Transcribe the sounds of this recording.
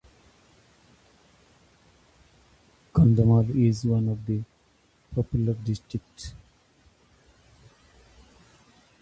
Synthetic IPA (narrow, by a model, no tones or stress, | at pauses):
kʌ̃nd̪əmalizwʌ̃nɔvd̪ə | pʰɔpjuləɾɖɪsʈɾɪk̚ʈ